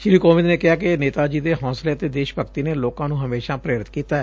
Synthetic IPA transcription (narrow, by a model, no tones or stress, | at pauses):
ʃɪɾiːkoːʋɪd̪neːkɪɦaːkɪneːt̪aːd͡ʒiːd̪eːɦɔ̃ːsleːət̪eːd̪eːʃpəkt̪iːneːloːkãːnũːɦəmeːʃaːpɾeːɾɪt̪kiːt̪aːɛː